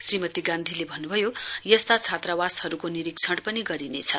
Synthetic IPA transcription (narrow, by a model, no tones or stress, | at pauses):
srimʌt̪iɡãnd̪ʱilebʱʌnːubʱʌjojʌst̪at͡sʰat̪rawashʌɾukoniɾikt͡sʰʌɽpʌniɡʌɾinḛt͡sʰʌ